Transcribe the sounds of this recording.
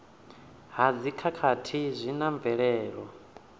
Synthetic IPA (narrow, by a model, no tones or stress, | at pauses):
ɦad͡zikʰakʰatʰizʷinaɱb̪vɛɺɛːɺɔ